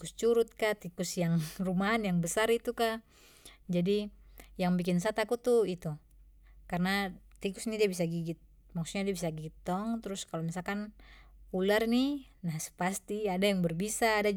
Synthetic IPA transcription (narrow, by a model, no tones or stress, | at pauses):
ust͡ʃuɾʊt̪̚kat̪ikusjaŋrumaːnjaŋbəsarit̪uka | d͡ʒadijaŋbik̬ɪnsat̪akut̪uit̪u | karnat̪ikusnidiabis̬aɡiɡit̪̚ | maksuɲadiabisaɡiɡit̪ːɔŋt̪ɾʊskalomisalkanpularni | nasə̥past̪iadajaŋbərbisaːda